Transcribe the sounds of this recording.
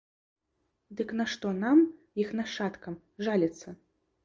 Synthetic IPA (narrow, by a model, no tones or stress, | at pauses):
d̪ɨknɐʂt̪ɔnamjixnɐʂat̪kɐm | ʐalʲɛt̪sːɐ